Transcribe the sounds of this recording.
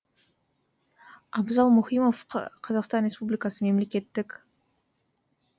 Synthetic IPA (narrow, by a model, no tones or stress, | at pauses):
ɑbzɑlˠmʊχijmofqʰɑzɑqst̪ɑnɾʲespublijkɑsəme̞mle̞kʲe̞t̪ːɪkʲ